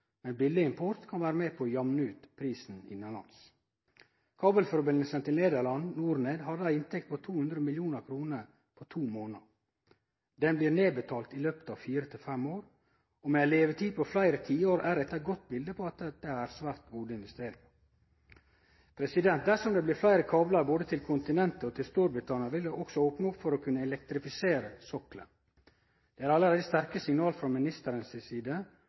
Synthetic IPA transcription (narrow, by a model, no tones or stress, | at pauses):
mɛnbɪlːɪɪmpʰɔɾt̪kʰɑnʋæːɾəmeːpʰoːjɑmnəʉːt̪pʰɾiːsn̩ɪ̰nəlɑ̰ns | kʰɑːbəlfɔɾbɪnəlsənt̪ɪlneːd̪əɾlɑnnuːɾneːd̪hɑd̪əæɪnt̪ʰɛkt̪pɔt̪ʰuːhʉnd̪ɾəmɪljuːnəɾkʰɾuːnəɾ | pʰɔt̪ʰuːmoːnə | d̪ɛnbliːɾneːbət̪ʰɑːlt̪ɪløːpət̪ɑːʋfiːɾət̪ʰɪlfɛmoːɾ | ɔmeæleːʋət̪ʰiːpʰɔflæɪɾət̪ʰiːəoːɾʔæɾɛt̪ːəæɡɔt̪̚ːbɪld̪əpʰɔɑt̪d̪̥ɛæɾsʋæːɾt̪ɡuːd̪əɪnʋɛst̪eːɾɪŋɑ | pʰɾɛsɪd̪ɛnt̪̚d̪æʂɔmd̪ɛblɪːɾflæɪɾəkʰɑːblɑɾboːd̪ət̪ʰɪlkʰʊnt̪ɪnɛnt̪əɔt̪ʰɪlst̪uːɾbɾɪt̪ʰɑːnəɾʋɪld̪ɛʔɔksɔoːpnəʊpfɔɾɔkʰʉnːəɛlɛk̚t̪ɾɪfɪseːɾəsɔklə̰n | d̪̥ɛæɾɑlːəɾeːd̪əst̪æɾkəsɪŋnɑːlfɾɔmɪnɪst̪əɾənssiːd̪ə